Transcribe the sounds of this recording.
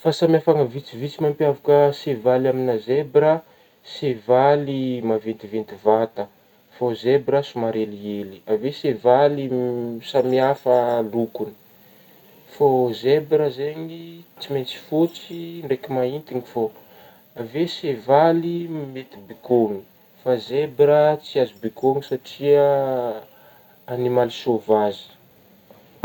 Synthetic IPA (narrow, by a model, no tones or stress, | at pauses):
fasamiafaŋəvit͡sivit͡simampiavukəsevalaminazebɾə | sevalimavent̪ivent̪ivat̪ə | fozebɾəsumaɾelieliavesevalisamiafəlukuni̥ | fozebɾəzeɲit͡siment͡si̥fot͡siɳɖ͡ʐekimaint̪iŋifo | avesevalimet̪ibikoŋi | fazebɾət͡siazibikoŋisaʈ͡ʂiə | nimalisovazi̥